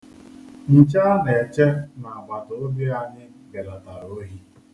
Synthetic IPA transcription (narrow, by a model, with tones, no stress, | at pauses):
n̩˨t͡ʃa˦ne˨t͡ʃe˦na˨a˨ɡ͡ba˨tʊ˨o˦be˦a˨ɲɪ˦ | ɡe˨la˨ta˨ɾo˦ɦi˦